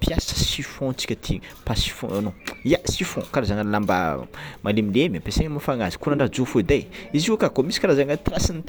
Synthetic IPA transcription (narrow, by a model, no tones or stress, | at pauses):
pjasə̥sifɔ̃t͡si̥kʲət̪ʰipasi̥fɔ̰̃anoijasifɔ̃kaɾazaŋanlamba̰mʔalemilemiapeseɲmafaŋazi̥kunaɳɖ͡ʐad͡zofoid̪ajiziukakomisi̥kaɾazaŋat̪ɾasinit̪